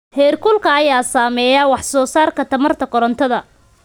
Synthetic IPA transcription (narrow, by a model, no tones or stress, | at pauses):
hɛːrkʰʊlkʰɐːjaːsaːmɛːjawɑħsɔːsaːrkʰɐt̪ʰɐmɐrt̪ʰɐkɔɾɔnt̪ʰɐðɐ